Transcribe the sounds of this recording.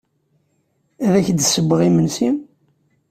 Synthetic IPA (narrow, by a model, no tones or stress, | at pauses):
æðæçd̪səbːəʁimənsim